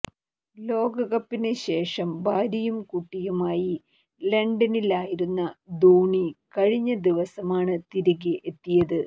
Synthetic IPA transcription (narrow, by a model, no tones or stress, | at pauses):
lo̞ːɡɐɣɐpːinɨɕe̞ːʂɐmbʱaːɾɐjumkuʈːijumaːji | leɳɖɐnilaːjiɾunːɐd̪uːɳikɐɻiɲːɐd̪iʋɐsɐmaːɳɨt̪iɾuɣiʔet̪ːijɐðɨ